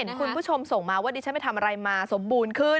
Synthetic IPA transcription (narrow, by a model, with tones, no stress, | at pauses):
e˩˦nkʰu˧npʰu˦˥˩t͡ɕʰo˧mso˨˩ŋmaː˧waː˥˩di˧t͡ɕa˦˥ma˥˩jt̪ʰa˧mʔa˧ɾa˧jmaː˧so˩˦mbuː˧nkʰɯ˥˩